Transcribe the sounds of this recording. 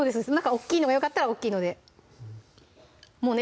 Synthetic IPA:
oːd̪esɨesmnãkao̞kʲːiːno̞ɡajo̞kat̪ːaɾao̞kʲːiːno̞d̪e̞ | mo̞ːne

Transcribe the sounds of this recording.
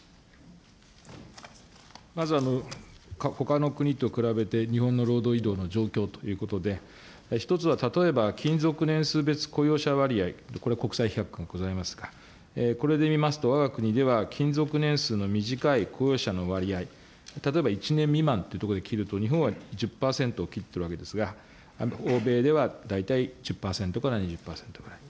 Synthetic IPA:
mazɨanokaho̞kano̞kɯ̟ɲ̟it̪ːo̞kɯ̟ɾabe̞t̪e̞ɲ̟ihõ̞nːo̞ɾo̞ːd̪o̞ːid̪o̞ːno̞d͡ʑo̞ːkʲo̞ːt̪o̥jɯ̟ːko̞t̪o̞d̪e̞ | çi̥t̪o̞t͡sɨβat̪at̪o̞e̞bakʲĩnd͡zo̞kɯ̟nẽɰ̃sɨːbe̞t͡sɨ̥ko̞jo̞ːɕaβaɾʲiaioko̞ɾe̞ako̞kɯ̥saiçiakɯ̥kãŋɡaɡ̥o̞zaimasɨ̥ɡ̥a | eko̞ɾe̞d̪e̞mʲimasɨ̥t̪o̞βaɡakɯ̟ɲ̟id̪e̞βakʲʰĩnzo̞kɯ̟nẽ̞ɰ̃sɨːno̞mʲiʑikaikʰo̞jo̞ːɕano̞βaɾʲiai | t̪at̪oe̞bait͡ɕinẽ̞mːʲimãnt̪ejɯ̟t̪okod̪e̞kʲiɾɯ̟t̪o̞ɲ̟iɦõɰ̃βaʑɨpːaːsẽ̞nt̪oːkʲit̪ːeɾɯβaked̪esɨɡa | o̞ːbe̞ːd̪e̞βad̪ait̪aid͡ʑɨpːaːsẽ̞nt̪o̞kaɾaɲiʑɨpːaːsẽ̞nt̪oɡɯ̟ɾai̥

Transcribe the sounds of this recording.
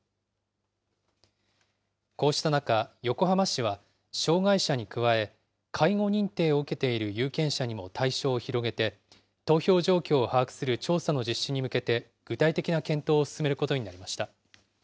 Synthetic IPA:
ko̞ːɕi̥t̪anakajo̞ko̞ɦamaɕiβ̞a | ɕo̞ːɡaiɕaɲ̟ikɯ̟βae̞ | kʰaiŋo̞ɲ̟ĩnt̪e̞ːo̞ɯke̞t̪e̞iɾɯ̟jɯ̟ːkẽ̞ɰ̃ɕaɲ̟imo̞t̪ʰaiɕo̞ːçiɾo̞ɡe̞t̪e̞ | t̪o̞ːço̞ːʑo̞ːkʲo̞ːhaːkɯ̟̥sɨɾɯ̟t͡ɕo̞ːsano̞d͡ʑiɕːiɲ̟imɯ̟ke̞t̪e̞ | ɡ̥ɯ̟t̪ait̪e̞kʲinakẽ̞nt̪o̞ːsɨ̥sɨme̞ɾɯko̞t̪o̞ɲ̟inaɾʲimaɕi̥t̪a

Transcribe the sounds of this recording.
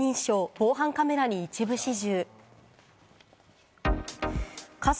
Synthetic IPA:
ĩɰ̃ɕo̞ːb̥o̞ːɦãŋkame̞ɾaɲ̟iːt͡ɕibɯ̟ɕiʑɨː | kʰas

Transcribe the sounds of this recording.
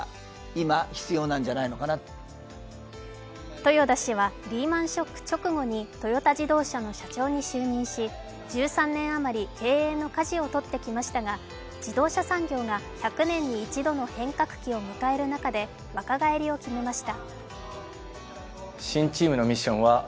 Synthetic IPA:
imaçi̥t͡sɨjo̞ːnãɲ̟d͡ʑanainokana | t̪o̞jo̞d̪aɕiβaɾʲiːmãɰ̃ɕo̞kːɯ̟̥t͡ɕo̞kɯ̟ɡo̞ɲ̟it̪o̞jo̞t̪aʑid̪o̞ːɕano̞ɕat͡ɕo̞ːɲ̟iɕɨːɲ̟ĩɰ̃ɕi | d͡ʑɨːsãnːẽ̞ɰ̃amaɾʲike̞ːeːno̞kaʑio̞t̪o̞t̪ːe̞kʲimaɕi̥t̪aɡa | d͡ʑid̪o̞ːɕasãŋɡʲo̞ːɡaçakɯ̟nẽ̞ɲ̟ːiːt͡ɕid̪o̞no̞hẽ̞ŋkakɯ̟̥kʲio̞mɯ̟kae̞ɾɯ̟nakad̪e̞ | βakaɡae̞ɾʲio̞kʲime̞maɕi̥t̪a | ɕĩɲt͡ɕiːmɯ̟no̞mʲiɕːõ̞̰ɰ̃βa

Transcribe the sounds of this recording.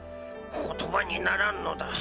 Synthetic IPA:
kʰɔt̪ʰobaɲinaɾanːɔd̪a

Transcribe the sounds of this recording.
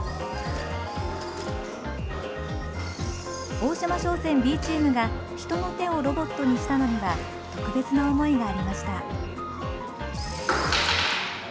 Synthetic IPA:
o̞ːɕamaɕo̞ːsẽ̞mbʲiːt͡ɕiːmɯ̟ɡa | çi̥t̪o̞no̞t̪e̞o̞ɾo̞bo̞t̪ːo̞ɲ̟iɕi̥t̪ano̞noɡa | t̪o̞kɯ̟be̞t͡sɨnaomo̞iɡaːɾʲimaɕi̥t̪a

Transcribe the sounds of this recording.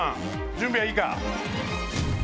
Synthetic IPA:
a | d͡ʒũmbiaika̰

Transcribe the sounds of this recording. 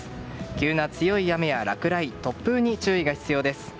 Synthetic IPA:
kʲɨːnat͡sɨjo̞ijame̞jaɾakɯ̟ɾait̪o̞pːɯ̟ːɲ̟it͡ɕɨːiɡaçi̥t͡sɨjo̞ːd̪e̞sɨ̥

